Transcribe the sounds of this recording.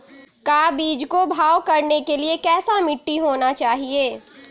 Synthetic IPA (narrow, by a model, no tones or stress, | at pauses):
kaːbiːd͡ʒkobʱaːwkɐɾnekeliekɛːsamɪʈːiɦoːnat͡ʃaːɦieː